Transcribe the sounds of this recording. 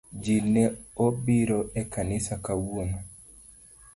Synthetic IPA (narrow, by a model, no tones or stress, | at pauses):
d͡ʒinɛobɪɾoʔekanɪsakawwoma